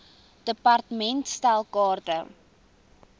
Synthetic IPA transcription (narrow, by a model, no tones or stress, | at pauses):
d̥əpɐrtəmɛntstælˠkɑːrtə